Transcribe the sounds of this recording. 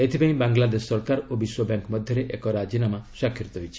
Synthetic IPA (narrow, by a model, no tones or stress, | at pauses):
et̪ʰibãĩbaŋɡlad̪eʃːɔɾkaɾobiswɔbjɛŋkmɔd̪ʱjɔɾeʔekɔɾad͡ʒinamaʃakʰːjɔɾt̪ɔɦojt͡ʃʰi̥